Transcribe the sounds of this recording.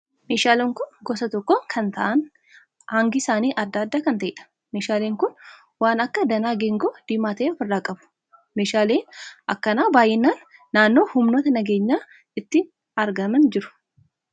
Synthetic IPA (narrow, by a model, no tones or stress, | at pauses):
meːʃaːlɛŋkʊnɡɔsɐt̪ɔkːokʰɐnt̪ɐʔɐn | haŋɡɪsaːniːʔɐd̪ːaːd̪ːaːkɐnt̪ɐʔɪᶑɐ̥ | meːʃaːleːŋkʊn | waːnɐkːɐd̪ɐnaːɡɛŋɡoːd̪̥ɪmaːt̪ɐʔeɔfɪrːaːkʼɐbʊ̥ | meːʃaːleːnʔɐkːɐnaːbaːjɛnːaːnːaːnːo̞ːhʊmno̞ːt̪ɐnɐɡe̞ːɲːaː | ɪt̪ːɪn | ɐɾɡɐmɐnd͡ʒɪɾʊ̥